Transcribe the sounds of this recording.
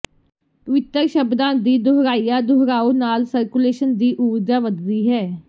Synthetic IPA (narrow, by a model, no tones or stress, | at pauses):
pəʋɪt̪ːəɾʃəbd̪ãːd̪iːd̪ʊɦɾaːijaːd̪ʊɦɾaːuːnaːlsəɾkuleːʃənd̪iːʔuːɾd͡ʒaːʋəd̪ːiːɦɛː